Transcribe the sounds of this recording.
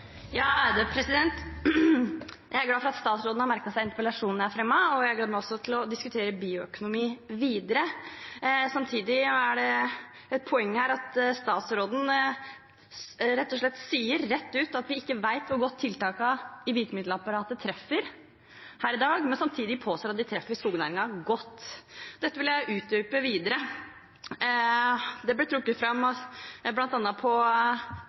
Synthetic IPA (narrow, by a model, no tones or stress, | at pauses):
jɑːæɪd̪epʰɾɛsɪd̪ɛnt̪ | jæɪæɾɡlɑːfɔɾɑt̪st̪ɑːt̪sɾoːd̪n̩hɑɾmæɾkɑsæɪɪnt̪əpəlɑʂuːnnææɾfɾɛmːɑɔjæɪæɾɡ̪ɑːd̪mæɪɔsːɔt̪ʰɪlɔd̪ɪskʉt̪ʰeːɾəbiːʊœkʊnʊmiːʋiːd̪əɾə | sɑmt̪ʰiːd̪ɪæɖɛ | ɛt̪̚pʰɔɛŋːəhæːɾɑt̪st̪ɑːt̪sɾoːd̪n̩ | ɾɛt̪ːɔʂɭɛt̪ːsiːəɾːɛt̪ːʉːt̪ɑt̪ʋɪɪkːəʋæɪt̪ʋʊɾɡɔt̪ʰːɪlt̪ɑːkɑɪʋiːk̪əmɪd̪ləɑpɑɾɑːt̪ət̪ʰɾɛfːəɾ | hæːɾɪd̪ɑːɡmɛnsɑmt̪ʰiːd̪ɪpʰoːst̪oːɾɑt̪̚d̪ɪt̪ʰɾɛfːəskuːɡənæːɾɪŋɑɡɔt̪ːd̪ɛt̪ːəʋɪljæɪʔʉːt̪̚yːpəʋiːd̪əɾə | d̪ɛblɪt̪ʰɾʊkːət̪fɾɑmːɔblɑnt̪ɑnːɑpʰɔ